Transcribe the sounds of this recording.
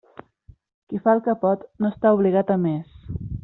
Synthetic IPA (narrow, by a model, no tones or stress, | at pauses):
kifalˠkəpɔt̪noəst̪auβliɣat̪əmes